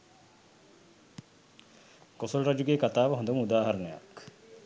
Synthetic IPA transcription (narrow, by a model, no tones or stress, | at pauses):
kosolɾad͡ʒuɡeːkat̪aːʋɐɦõnd̪umud̪aːɦɐɾɐnɐjɐ̰k